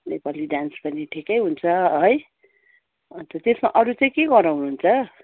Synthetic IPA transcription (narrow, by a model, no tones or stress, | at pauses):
nepaliɖanspʌniʈʰikʌjɦunt͡sʰʌɦʌj | t̪ʌt̪esmaʔʌɾut͡sʌĩkeɡʌɾawnuɦunt͡sʰʌ